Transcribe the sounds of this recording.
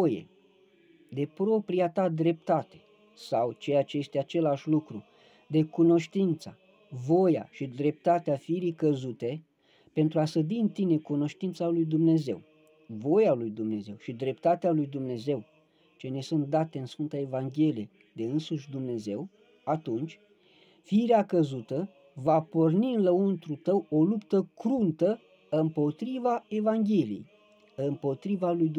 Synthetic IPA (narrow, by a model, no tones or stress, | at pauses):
ojḛ | d̪e̞pɾo̞pɾijat̪ad̪ɾe̞p̚t̪at̪e̞̥ | sawt͡ʃe̞jat͡ʃe̞je̞st̪eat͡ʃe̞laʃʲlukɾu | d̪e̞kuno̞ʃt̪int̪sa | vo̞ja̰ʃid̪ɾe̞p̚t̪at̪eafiɾikəzut̪e̞ | pe̞nt̪ɾuasəd̪iɨnt̪ine̞kuno̞ʃt̪int̪salujd̪umne̞ze̞̰w | vo̞jalujd̪umne̞ze̞wʃid̪ɾe̞pt̪at̪ealujd̪umne̞ze̞w | t͡ʃe̞ne̞sunt̪̚d̪at̪e̞ɨnsfɨnt̪əe̞vaŋɡʲe̞lije | d̪e̞ɨnsuʃʲd̪umne̞ze̞w | at̪unt͡ʃʲ | fiɾeakəzut̪ə | vaporniɨnləunt̪ɾut̪əwo̞lupt̪əkɾunt̪ə | ɨmpo̞t̪ɾivae̞vaŋɡʲe̞lijḛj | ɨmpo̞t̪ɾivalujd̪